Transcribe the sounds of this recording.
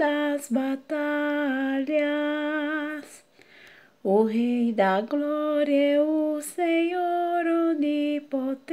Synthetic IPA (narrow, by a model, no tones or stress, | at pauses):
d̪asbat̪a | la | s | oɦejd̪aɡlɔɾjeusejoɾod̪ipot̪